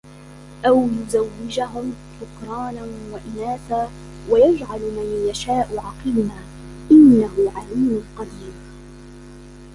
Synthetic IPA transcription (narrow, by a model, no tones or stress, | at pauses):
ʔawjʊzawːɪd͡ʒaɦʊmt̪ʊkɾˤɑːnanwaʔɪnaːsaː | wajad͡ʒʕalmanjaʃaːʔʊʕɑqɨlnaː | ʔɪnːaɦʊʕaliːmʊlqɑd̪iːm